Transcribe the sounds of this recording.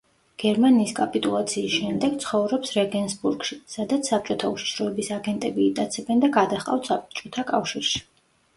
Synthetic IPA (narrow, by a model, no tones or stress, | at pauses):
ɡ̥ɛɾmaniːskʼapʼit̪ʼulˠat̪sʰiːsʃɛmd̪ɛɡ̥t̪sʰχɔvɾɔpsɾɛɡɛnsbuɾɡʃisad̪at̪sʰsːap̚t͡ʃʼɔt̪ʰauʃi̥ʃɾɔɛbisaɡɛnt̪ʼɛbiːt̪ʼat̪sʰɛbɛnd̪aɡad̪aχqʼa̰ft̪sapt͡ʃʼɔt̪ʰakʼafʃiɾʃi̥